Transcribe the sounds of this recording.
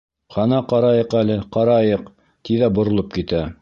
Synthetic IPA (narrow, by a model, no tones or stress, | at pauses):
χɑnɑqɑɾɑjɤqælɘqɑɾɑjɤq | t̪iðæbŏɾŏlˠop̚kit̪æ